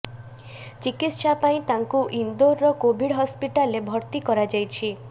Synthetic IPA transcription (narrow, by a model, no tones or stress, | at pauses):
t͡ʃikit̪ʃapaĩt̪aŋkuʔind̪oɾːɔkobʱiɽɦɔspiʈalebʱɔɾt̪ikɔɾad͡ʒajt͡ʃʰi